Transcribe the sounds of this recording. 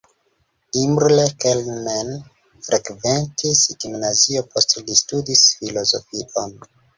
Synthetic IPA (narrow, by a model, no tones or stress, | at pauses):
imɾlekelmen | fɾekventʰesɡimnaziopo̞stlistudisfilo̞zofiʔon